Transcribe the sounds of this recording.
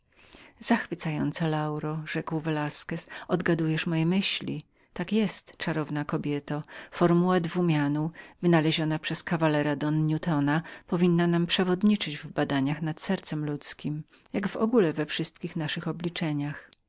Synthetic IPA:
z̥axfɘt̪sajɔnt̪salawɾɔʐɛkwvɛlaskɛsɔd̪ɡad̪ujɛʂmɔjɛmɘɕlʲḭ | t̪akjɛst̪t͡ʂaɾɔvnakɔbʲjɛt̪ɔfɔɾmuwad̪vumʲjanuvɘnalɛʑɔnapʂɛskavalɛɾad̪ɔnːut̪ɔnapɔvʲinːanampʂɛvɔd̪ɲit͡ʂɘd͡ʑvbad̪aɲaxnat̪sɛɾt̪sɛmlut̪skʲim | jaɡvɔ̰ɡulɛvɛfʂɘst̪kʲixnaʂɘxɔblʲit͡ʂɛɲax

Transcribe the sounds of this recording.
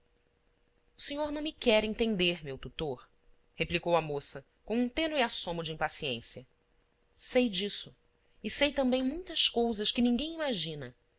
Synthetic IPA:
ʊseɲoɾnɐ̃w̃mɪkɛɾẽnt̪ẽnd̪eɾmewt̪ut̪oɾ | heplikowɐmosɐ | kõw̃ũt̪ẽnʊɪasõmʊd͡ʒɪĩpasiẽsjɐ | sejd͡ʒisʊ | ɪsejt̪ɐ̃mbẽj̃mũj̃t̪ɐskowzɐskɪnĩŋɡẽj̃imaʒĩnɐ

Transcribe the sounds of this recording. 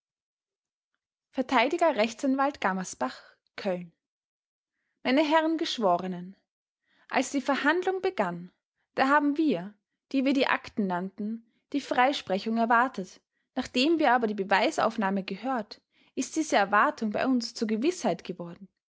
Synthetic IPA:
fɛɐtʰaɪdɪɡɐʁɛçt͡sanvaltɡ̥amɐsb̥aχ | kʰœln | maɪnəɦɛʁənɡəʃv̥ɔːʁənən | ʔa̰lsd̥iːfɛɐhandlʊŋbəɡan | d̥aːɦaːbm̩viːɐ | d̥iːviːɐdiːʔa̰ktn̩nantn̩ | d̥iːfʁ̥aɪʃpʁ̥ɛçʊŋɛɐvaɐtət | naːχd̥eːmviːɐaːbɐdiːbəvaɪsa̰ʊfnaːməɡəhøːɐt | ʔɪst̚d̥iːzəɛɐvaɐtʰʊŋba̰ɪʔʊnst͡suːɐɡəvɪshaɪtɡ̥əvɔɐdn̩

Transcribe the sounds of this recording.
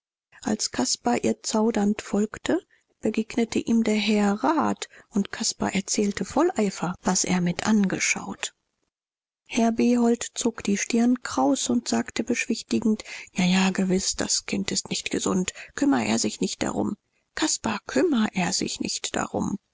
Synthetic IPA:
ʔalskʰaspaʔiːɐt͡saʊdɐntfɔlktʰə | b̥əɡeːɡnətʰəʔiːmdeːɐɦɛɐʁaːtʊntkʰaspa̰ʔɛɐt͡sɛːltəfɔlʔaɪfɐvasʔḛːɐmɪtʔanɡəʃa̰ʊt | hɛɐbeːɦɔltt͡soːkd̥iːʃtɪɐnkʁ̥aʊsʊntz̥aːktəbəʃv̥ɪçtɪɡŋ̩tjaːjaːɡəvɪsd̥a̰skʰɪntɪstnɪçtɡ̥əzʊ̰ntkʰʏmɐʔḛːɐzɪçnɪçt̚d̥a̰ʁʊ̰m | kʰaspakʰʏmɐʔeːɐzɪ̰çnɪ̰çtd̥a̰ʁʊ̰m

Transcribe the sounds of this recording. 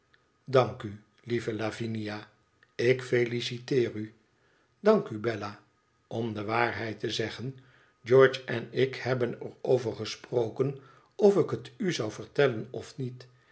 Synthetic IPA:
dɑŋky | livəlavinija | ɪkfejlisitɪːry | dɑŋkybɛla | ʔɔmdəʋaːɹɦɛjtəzɛχən | d͡ʒɔːɹt͡ʃɛnɪkhɛbənɛrowvəɹχəsprowkən | ɔfɪkətyzɑwvəɹtɛlənɔfnit

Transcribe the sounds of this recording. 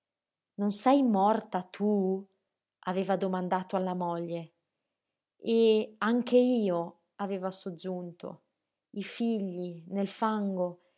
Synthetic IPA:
nonsɛjmɔrt̪at̪ʰu | aveːvad̪omand̪aːt̪oalːamɔʎːe | eaŋkeiːo | aveːvasod͡ʒːunt̪ʰo̰ | ifiʎːinelfaŋɡo

